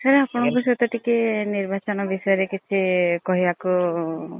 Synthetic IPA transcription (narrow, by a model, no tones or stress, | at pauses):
kʰaɾeapɔɳ̃ɔbis̬ɔt̪ɔʈikeniɾbat͡ʃɔnɔbisɔeɾekit͡ʃʰekɔɦiaku